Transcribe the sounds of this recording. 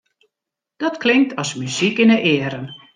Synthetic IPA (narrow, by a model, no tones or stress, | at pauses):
d̥ɔtklɪŋk̚tʰɔsmyzikɪnəʔɪəɾən